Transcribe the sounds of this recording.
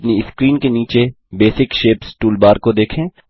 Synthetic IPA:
pniɪskɾiːnkeniːt͡ʃe | beːsɪkʃeːpsʈuːlbaːɾkod̪eːkʰẽː

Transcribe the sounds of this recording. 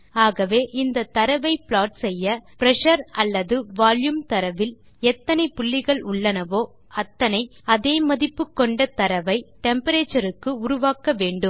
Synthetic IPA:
aːɣɐʋeːʔɪnd̪ɐt̪ɐɾɐʋɐɪpɭaːʈsɛjːɐpɪɾɛʂɐɾɐlːɐðɯʋaːljumt̪ɐɾɐʋɪl | ɛt̪ːɐnɐɪpʊɭːɪɣɐɭʊɭːɐnɐʋoː | ɐt̪ːɐnɐɪɐðeːmɐðɪpːɯkːɔɳɖɐt̪ɐɾɐʋɐɪʈɛmpɐɾeːt͡ʃːɐɾɯkːɯʊɾʊʋaːkɐʋeːɳɖɯm

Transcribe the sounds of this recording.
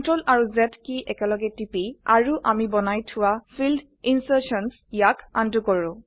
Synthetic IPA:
ntɹɔlaɹuzɛtkiʔɛkɛlɔɡɛtipia̰ɹuʔamibɔnajtʰʊwafʰild | insəsɔns | jaka̰ntukɔɹʊ̃

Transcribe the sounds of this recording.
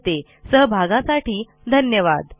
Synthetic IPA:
t̪e | səɦbʱaɡãsaʈiː | d̪ʱənjəʋad̪

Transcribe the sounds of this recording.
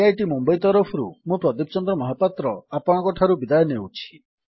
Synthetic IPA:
ajʈimumbɔjt̪ɔɾɔpʰɔɾṵmũpɾɔd̪ip̚t͡ʃɔnd̪ɾɔmɔɦapat̪ɾɔapɔɽ̃ɔ̃kɔʈʰaɾubid̪ajɔnewt͡ʃʰi̥

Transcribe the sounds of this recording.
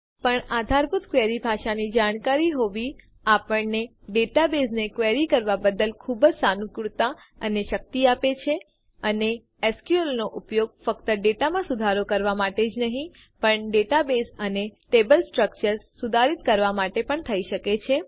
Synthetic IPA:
pəɳad̪ʱaɾput̪kʋeɾibʱaʃanid͡ʒaɽ̃kaɾiɦoʋi | apəɳne | ɖeʈabesnekʋeɾikəɾʋabəd̪əlkʰubd͡ʒsanũkɽut̪a | əneʃək̚t̪iapet͡ʃʰe | əne | ɛskjuəlnoʔupjoɡ̚fəkt̪əɖeʈamãsʊd̪ʱaɾokəɾʋamaʈed͡ʒnəɦĩ | pəɳɖeʈabesəneʈebəlsʈɾək̚t͡ʃəɾssud̪ʱaɾit̪kəɾʋamaʈepəɳt̪ʰəiʃəket͡ʃʰe

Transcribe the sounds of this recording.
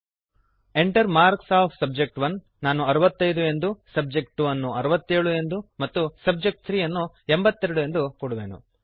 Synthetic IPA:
e̞ɳʈɐɾmaːɾksaːpʰsɐb̚d͡ʒek̚ʈʋɐnː | aːnuɐɾɐʋɐt̪ːɐjd̪ue̞nd̪usɐb̚d͡ʒe̞k̚ʈʋɐnːuɐɾuʋɐt̪ːeːɭue̞nd̪umɐt̪ːusɐb̚d͡ʒe̞k̚ʈ̚t̪ʰɾiːjɐnːu | embɐt̪ːeɾɽue̞nd̪ukoɽuʋeːnṵ

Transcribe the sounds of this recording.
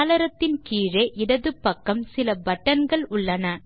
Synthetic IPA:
lɐɾɐt̪ːɪnkiːɻɐɪʔɪɽɐðɯpːɐkːɐmsɪlɐbɐʈːɐnɡɐɭʊɭːɐnɐ

